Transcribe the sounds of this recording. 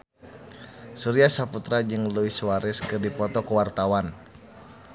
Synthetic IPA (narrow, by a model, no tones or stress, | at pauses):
suɾiasaput̪ɾad͡ʒɨŋluisuwaɾɛskɨrdipɔt̪ɔkuwart̪awan